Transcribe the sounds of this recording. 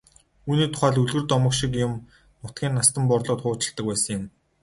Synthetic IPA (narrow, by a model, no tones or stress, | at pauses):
uːniːt̪ʰʊ̥χæːɮuɮɣɘ̆rt̪ɔmə̆kʃik̬jʊm | nʊt̪̚ɡʲiːnːast̪ə̆mpɔrɮʊːt̪χʊːt͡ɕɪ̆ɮt̪ə̆k̚pæːsə̆ŋjɪ̆m